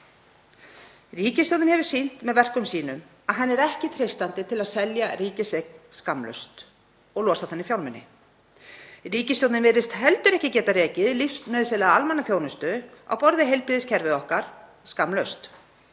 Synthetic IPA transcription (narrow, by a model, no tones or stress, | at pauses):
riːcɪst̪owt̪ɪnhɛvʏ̥sin̥t̪mɛðvɛr̥kʏmsiːnʏm | aðɦanːɛɾɛhcɪt̪ʰɾejst̪ant̪ɪt̪ʰɪlaðsɛljariːcɪsɛkskamlœ̰st̪ | ɔɣlɔːsaθɛnːɪfjawlmɛnːɪ̰ | riːcɪst̪jowt̪nɪnvɪɾɪst̪hɛlt̪ʏɾɛhcɪcɛːt̪arɛːcɪðlifst̪nœːðɪsɛlɛɣaalmanːaθjoːwnʏst̪ʏa̰wpɔɾðɪɦejlpɾiːðɪscʰɛɾvɪɔhkaɾ̥ | skamlœɥst̪